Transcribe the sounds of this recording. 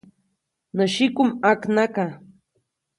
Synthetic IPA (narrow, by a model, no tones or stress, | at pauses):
nəʃɪkʊmaknaka